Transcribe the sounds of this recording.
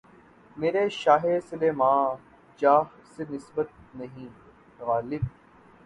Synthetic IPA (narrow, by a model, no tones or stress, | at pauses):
meːɾeʃaːɦesɪleːmãː | d͡ʒaːɦsenɪsbət̪̚nɐɦĩː | ɣaːlɪb̚